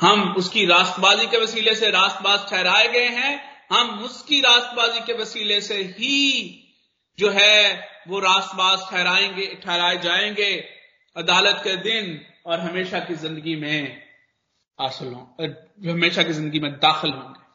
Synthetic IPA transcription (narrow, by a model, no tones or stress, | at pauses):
hɐmʊskiɾaːst̪baːzikeʋɐsiːleseɾaːst̪baːzʈʰɛːɾaːeɡɐeɦɛ̃ɦɐmʊskiɾaːst̪baːzikeʋɐsiːleseɦi | d͡ʒoːɦɛʋoɾaːst̪baːzʈʰɛːɾaːeeʈʰɛːɾaːed͡ʒaːẽːŋɡeː | ɐd̪aːlət̪ked̪ɪn | ɔːɾɦɐmeːʃakizɪ̃nd̪əɡimẽ | aːsəlɦõːɦɐmeːʃakizɪ̃nd̪əɡimẽd̪aːxɪlɦõ̰ːŋɡeː